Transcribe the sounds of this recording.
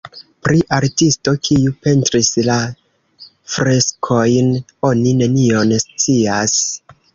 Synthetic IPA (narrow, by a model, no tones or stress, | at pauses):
pɾiʔaɾtistokʰiupe̞ntɾisla | fɾe̞skʰo̞jn | o̞nine̞nio̞nst͡sias